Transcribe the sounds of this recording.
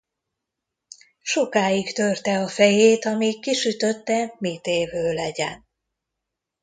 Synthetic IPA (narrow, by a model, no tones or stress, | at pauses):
ʃo̞kaːjikt̪ørt̪ɛɒfɛjeːt̪ɒmikːiʃyt̪ø̞t̪ːɛmit̪eːvøːlɛɟɛ̰n